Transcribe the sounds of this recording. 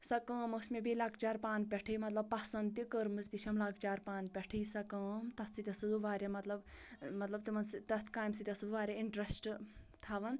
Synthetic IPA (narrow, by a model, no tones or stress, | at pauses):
sɐkəːmɐsmebilaːkʰt͡ʃaːɾpaːnpʲɛʈʰijmɐt̪lɐb̚pːasɐnd̪̚t̪ikəɾmɨzt̪iʃʰɐmlaːkʰt͡ʃaːɾpaːnpʲɐʈʰijsɐkɐːmt̪ɐt̪ʰt͡sit̪ʲɐsud̪uʋaːɾʲɐmɐt̪lɐbmɐt̪lɐb̚t̪imɐnsit̪ɐt̪ʰkaːjmsit̪ʲɐsud̪uʋaːɾʲjɐiɳʈɾɐsʈ | t̪ʰaʋɐn